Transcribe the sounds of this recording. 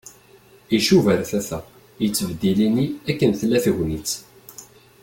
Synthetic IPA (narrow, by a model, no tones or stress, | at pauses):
iʃuvəɾθæθæ | jət͡sːəvd̪iliniækːənθlæθəʝnit͡sː